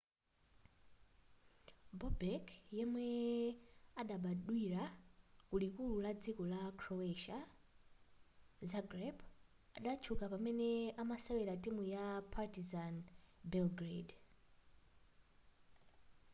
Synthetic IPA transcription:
bɔbɛkʰjɛmwɛ | aɗaɓaɗwiɾakulikululad͡zikɔlakʰɾɔɛʃa | zaɡrɛp | aɗat͡ʃʰukapamɛnɛamasawɛɾatimujapʰatizanbɛlɡɾed

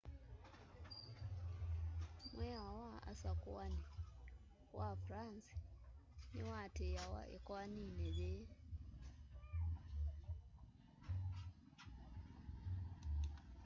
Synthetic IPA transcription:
mweawaa̰sakuani | wafɾansi̥ | niwatejawa̰ʔḛkwanineβe

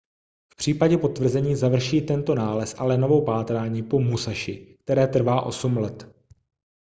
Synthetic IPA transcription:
fpr̝̥iːpaɟɛpo̞t̪vr̩zɛɲiːzavr̩ʃiːt̪ɛnt̪o̞naːlɛsʔalɛno̞vowpaːt̪ɾaːɲiːpo̞musaʃɪk̚t̪ɛɾɛːt̪r̩vaːʔo̞̰sumlɛt̪

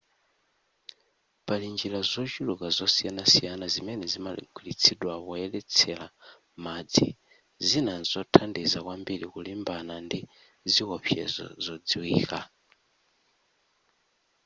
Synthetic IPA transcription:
palind͡ʒilazɔt͡ʃilukazɔsijanasijanazimɛnɛzimaḭɡʰwilit͡sʰiɗwaβɔɛlɛt͡sʰɛla | mad͡zḭ | zinanzɔtʰandizakwambiɾikulimbanandi | zikɔɸʰjɛ̰zɔ̰zɔd͡ziwiːka

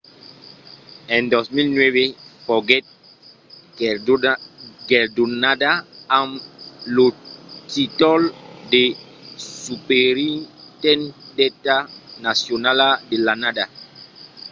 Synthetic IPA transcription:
ɛ̃nd̪osmilnwɛvefɔɡɛt̪̚ | ɡeɾd̪unad̪aamlotit̪ɔld̪e | supeɾit̪ɛ̃nd̪ɛt̪anasjonalad̪elanad̪a

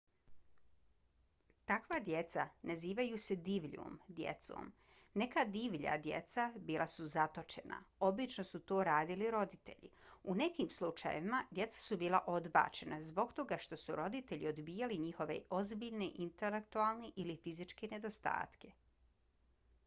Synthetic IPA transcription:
t̪akʋad̪je̞t̪sanaziːʋajuse̞d̪iːʋʎṵmd̪jḛt̪so̰ːm | ne̞kad̪iːʋʎa̰d̪je̞̰t̪sabiːlˠʔasuzat̪o̞t͡ʃe̞̰na̰o̞bit͡ʃno̞sut̪oːɾaːd̪iliɾo̞d̪it̪e̞̰ʎḭune̞kiːmslˠut͡ʃa̰jḛʋimad̪ʲje̞t̪sḁsubiːlˠaʔo̞d̪ba̰ːt͡ʃe̞nazbo̞ɡt̪o̞ɡaʃt̪o̞suɾo̞d̪it̪eʎḭo̞d̪biːjaliɲixo̞ʋe̞̰o̞zbiʎneʔint̪ele̞kt̪ualˠneʔilifizit͡ʃke̞ne̞d̪o̞st̪a̰ːt̪ke̞

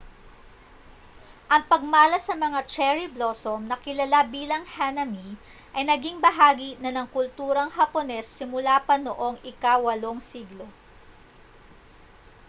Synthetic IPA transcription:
ʔɐŋpɐɡ̚maːlɐsɐmɐŋat͡ʃɛɹiblosomnɐkɪlɐlabiːlɐŋhanɐmi | ʔɐjnɐɡiŋbɐɦaːɡinɐnɐŋkʊlt̪uːɾɐŋɦɐponɛsːɪmʊlaːpɐnoʔo̞ŋɪkawɐlo̞ŋsiːɡlo̞

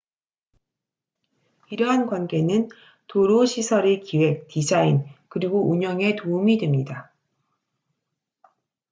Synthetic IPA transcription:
iɾʌɦankwanɡe̞nɯn | toɾoɕʰisʰʌɾekiwe̞k̚tid͡ʑainkɯɾiɡouɲʌŋe̞toumidwe̞mɲida

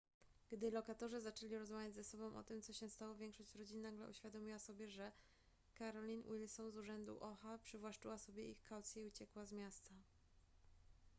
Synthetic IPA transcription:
ɡ̥d̪ɘlɔkat̪ɔʐɘzat͡ʂɛlʲiɾɔzmavʲjad͡ʑzɛsɔbɔ̃w̃ʔɔ̰t̪ɘmt̪sɔɕɛst̪awɔvʲjɛŋkʂɔɕt͡ɕɾɔd͡ʑinnaɡlɛ̰ʔṵɕfʲjad̪ɔmʲiwasɔbʲjɛʐɛ | kaɾɔlʲinwʔilsɔnzuʐɛnd̪ṵʔɔxapʂɘvwaʂt͡ʂɘwasɔbʲjɛixkʰawt̪sʲjɛiut͡ɕɛkwazmʲjast̪a

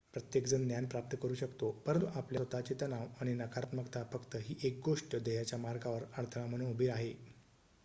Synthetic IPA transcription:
pɾət̪jekd͡zənnjanpɾap̚t̪əkəɾuːɕəkt̪opəɾənt̪uʔapljaʋət̪at͡ɕet̪anaʋaɽ̃inakʰaɾt̪məkt̪afəkt̪əɦiːʔek̚ɡoʂʈəd̪əjat͡ɕjamaɾɡaʋəɾaɽt̪ʰəɽam̤əɽ̃ũnubʱiɾaɦe

